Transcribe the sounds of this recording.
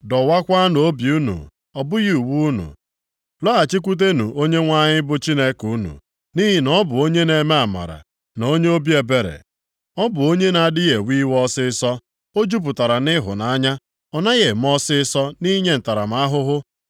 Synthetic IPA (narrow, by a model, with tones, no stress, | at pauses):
dɔ˨wa˦kʷa˦n˨o˦bju˦nṵ˨ | ɔ˨bʊ˦ɣi˦u˨wu˦nṵ˨ | lɔ˦a˨t͡ʃi˦k̬ʷu˦t̬e˦nṵ˨ʔo˦ɲe˦ŋʷa˦ɲɪ˦bʊ˦t͡ʃi˦ne˦ku˦nṵ˨ | ni˦ɦɪ˨nɔ˦bʊ˨o˦ɲe˦ne˨me˦a˨ma̰˨ɾa̰˨ | no˨˦ɲe˦o˦bje˨be˨ɾḛ˨ | ɔ˦bʊ˨o˦ɲe˦na˨dɪ˦ɣe˨wi˦wɔ˦sɪ˦sɔ˦ | o˦d͡ʒu˦p̬ʊ˨ta˨ɾa˨nɪ˦ɦʊ̰˨na˨˦ɲa˦ | ɔ˨na˦ɣe˨m̩˦ɔ˦sɪ˦sɔ˦ni˦ɲe˦n̩˨ta˨ɾa̰˨m̩˦a˦ɦʊ˦ɦʊ˦